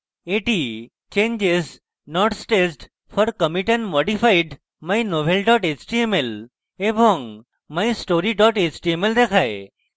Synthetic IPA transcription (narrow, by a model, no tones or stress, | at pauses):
eʈi | t͡ʃẽɲd͡ʒez | nɔʈsʈesɖ | fʰɔɾkəmiʈẽnmɔɖifaiɖ | majnoʋʱelɖɔʈet͡ʃʈiemel | ebɔŋɡ | maisʈoɾiɖɔʈet͡ʃʈiemeld̪ekʰae